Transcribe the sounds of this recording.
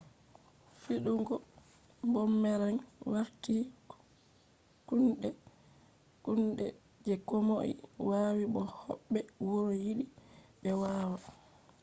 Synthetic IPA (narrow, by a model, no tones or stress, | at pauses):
fiɗuŋɡɔ | mbɔmːɛɾanwaɾti | kunɗɛ | kunɗɛ | d͡ʒɛkɔmoʔḭwaːwiɓɔhɔ̰ɓːɛwoɾojiɗiɓɛwaːwa